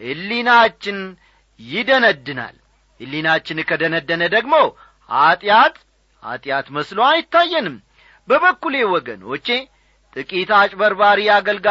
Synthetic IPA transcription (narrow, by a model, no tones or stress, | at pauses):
hɨlːinat͡ʃːɪn | jɪd̪ənəd̪ːɨna̰l | ɨlːinat͡ʃːɪnkʰəd̪ənəd̪ːənəd̪əɡmo̞ | hat̪ʼjat̪ | ha̰t̪ʼjat̪məsloajɪt̪ːajːɛnɨm | bəβəkːulewɔɡə̰nwɔt͡ʃːe̞ | t̪ʼɨkʼit̪at͡ʃʼbəɾbaɾijaɡəlɡa